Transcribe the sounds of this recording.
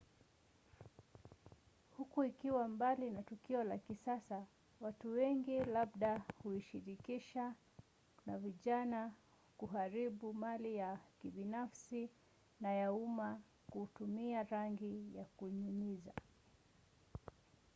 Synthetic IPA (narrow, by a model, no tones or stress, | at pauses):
hukuikiwambalinatukiɔlakisasa | watuwɛŋɡilaɓɗahuiʃiɾikiʃa | naviʄana | kuɦaɾiɓumalijakiɓinafsi | najauma | kutumiaɾaŋɡijakuɲumiza